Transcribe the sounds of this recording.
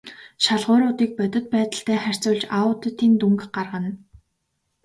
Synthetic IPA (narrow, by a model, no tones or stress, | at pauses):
ʃaɮʁʊːɾʊːt̪iːk̚pœt̪ʲɪ̆t̪̚pæːt̪ə̆ɬt̪æːχær̥ʲt͡sʊːɮt͡ɕaʊt̪ə̆t̪iːnt̪uŋkɢarʁə̆n